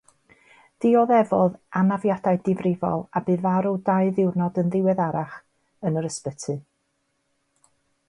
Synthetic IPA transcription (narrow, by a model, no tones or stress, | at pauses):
ð̥ɪɔðɛvɔðanavjadaɨdɪvrɪvɔ̰lˠabɨːðvaɾudaɨðɪwrnɔdənðɪwɛðaɾaχ | ənəɾəspətʰɨ